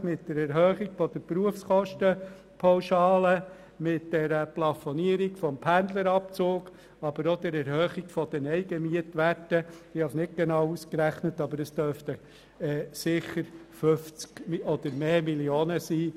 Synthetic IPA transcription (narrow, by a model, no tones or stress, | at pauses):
mɪtd̥ɛɾɛɾɦœːχiɡfɔd̥̪əɾpɾuəfskɔʃtə | pʰɔwʃɑːlə | mɪtd̥ɛɾəplɑfɔniəɾiɡfɔmpʰænd̪ləɾɑp̚t͡soːɡ | ɑb̥əɾɔd̪̥ɛɾɛɾhœːχiɡfɔd̥̪ɛnɛɪɡəmiətʋætəɪhɑsnɪt̚ɡ̥enɑːwuskɾæχnətɑbəɾəst̪œɾftə | ɛːsɪχəɾfʏft͡skmɔd̪̥əɾmeːmiljoːnəsiː